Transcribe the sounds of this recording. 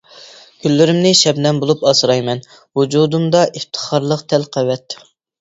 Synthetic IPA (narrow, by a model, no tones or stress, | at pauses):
ɡ̥ʲʰylːɪɾɪmnɪʃɛbnɛmbolˠupɑsɨɾɑjmɛn | wud͡ʒud̪umd̪ɑʔeft̪ʰə̥χɑɾlˠəqt̪ʰɛlqʰæwɛt̪